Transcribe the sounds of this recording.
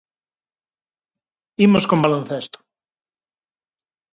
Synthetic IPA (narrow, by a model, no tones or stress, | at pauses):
imoskombalõnθest̪o̥